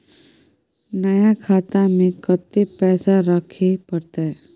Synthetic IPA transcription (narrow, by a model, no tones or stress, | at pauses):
nɐjakʰaːt̪amẽkɐt̪ːepɛːsaɾəkʰepəɾt̪aɦɛ